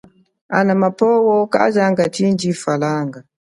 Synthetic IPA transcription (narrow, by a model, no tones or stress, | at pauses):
a̰namapɔwɔka̰d͡ʒaŋɡatind͡ʒifalaŋɡa